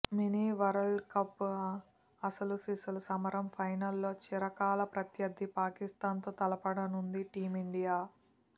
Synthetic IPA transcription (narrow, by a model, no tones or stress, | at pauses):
miniʋɐɾɐlkɐpː | ɐsɐlusisɐlɐsɐmɐɾɐmpʰɐjnɐlːo̞ːt͡ʃiɾɐkaːlɐpɾɐt̪jɐd̪ːipaːkist̪aːnt̪oːt̪ɐlɐpɐɽɐnund̪iʈiːmiɳɖijaː